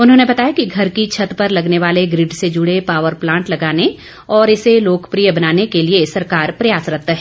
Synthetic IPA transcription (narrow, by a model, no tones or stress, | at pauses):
ʊnɦõːnebɐt̪aːjakiɡʱɐɾkit͡ʃʰɐt̪pɐɾlɐɡneʋaːleɡɾɪɖsed͡ʒʊɽepaːʋəɾplãːɳʈlɐɡaːne | ɔːɾɪseloːkpɾijəbɐnaːnekeliesɐɾkaːɾpɾɐjaːsɾɐt̪aɦɛː